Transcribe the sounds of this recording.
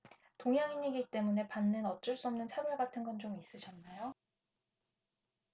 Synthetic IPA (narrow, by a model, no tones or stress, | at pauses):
toŋɦjaŋiɲːiɡit͈e̞mune̞panːɯnʌt͡ɕ͈ɯɭs͈uʌmnɯnsʰabʌɭɡatʰɯnɡʌnt͡ɕomis͈ɯɕʰʌnːajo